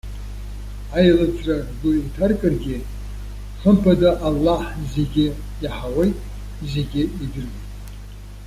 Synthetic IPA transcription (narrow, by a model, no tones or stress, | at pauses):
ajlɨt͡sʰʼrʼaɡʊitʰarkʼɨrɡʲɪ | ħʷəmpʰadaʔalːaħzeɡʲɪ | jaħawejtʼ | zeɡʲɪidɨrmejtʼ